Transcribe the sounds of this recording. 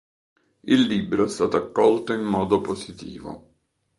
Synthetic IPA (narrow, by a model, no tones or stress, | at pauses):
ilːibɾoɛst̪aːt̪oakːɔlt̪oimːɔːd̪oposit̪ḭːvo̰